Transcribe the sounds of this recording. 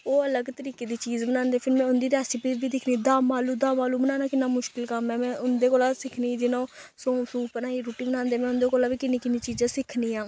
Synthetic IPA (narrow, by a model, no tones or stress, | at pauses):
oːələɡt̪əɾiːkeːd̪iːt͡ʃiːzbənaːnd̪eːpʰɪɾmɛ̃ːʊnd̪iːɾɛːsɪpiːɾʋiːd̪ɪkʰniːd̪aːmaːluːd̪aːmaːluːbənaːnaːkɪnːaːmʊʃkɪlkəmɛ̃ːmɛ̃ːʔʊnd̪eːkoːlaːsɪkʰniːd͡ʒɪnõːsõːsuːpənaːiːɾoːʈiːbənãːnd̪eːmɛ̃ːʊnd̪eːkoːlaːʋiːkɪnẽːkɪnĩːt͡ʃiːzãːsɪkʰniːãː